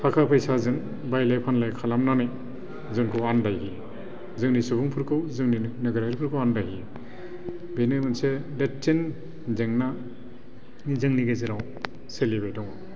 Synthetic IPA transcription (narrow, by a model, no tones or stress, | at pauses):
pʰakʰapʰajsazɯŋ | bajlajpʰanlajkʰalamnanɯj | zɯŋkʰɯwandajɦi | zɯŋnisubuŋpʰɯɾkʰɯwzɯŋninɯɡɯɾajɾpʰɯɾkʰɯwandajɦi | bejnɯjmɯnsedetːen | zeŋna | zɯŋniɡezɯɾaw | selibajdɔŋɔ